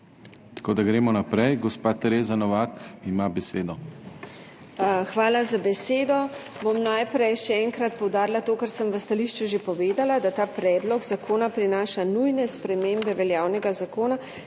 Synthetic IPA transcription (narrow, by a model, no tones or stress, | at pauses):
t̪ḁkoːd̪aɡɾeːmɔnapɾɛjɡɔspaːt̪ɛɾeːzanɔʋakimabɛseːd̪ɔ | xʋaːlazabɛseːd̪ɔbomnajpɾɛjʃɛɛŋkɾat̪̚pɔwd̪aːɾilat̪oːkaɾsəmʋəst̪aliʃt͡ʃuʒepɔʋeːd̪alad̪at̪aːpɾɛːd̪lɔɡzakʰoːnapɾinaːʃanujnɛspɾɛmeːmbɛʋɛljaːwnɛɡazakoːna